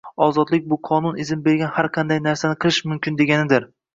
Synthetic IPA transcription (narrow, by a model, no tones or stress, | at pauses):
ɒzɒd̪lɪk̚ʲbʊqʰɒnʊnɪzɪmbe̞ɾɡʲanhaɾqʰɑnd̪ajnaɾsanɪqʰɨlˠɪʃmʊmkʲɪnd̪e̞ɡʲanɪd̪ɪɾ